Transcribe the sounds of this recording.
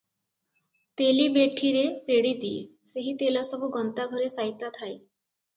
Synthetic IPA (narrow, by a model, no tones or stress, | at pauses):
t̪elibeʈʰiɾepeɽid̪iseɦit̪elasəbʱuɡənt̪aɡʱɔɾesajt̪at̪ʰaj